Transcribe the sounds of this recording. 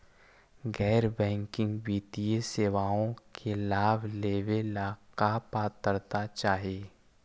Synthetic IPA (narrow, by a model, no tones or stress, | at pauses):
ɡɛːɾbɛ̃ːŋkɪ̃ŋɡbiːt̪ijəseːʋaːõkʰelaːbʱleːʋelaːkapaːt̪əɾt̪at͡ʃaːɦeː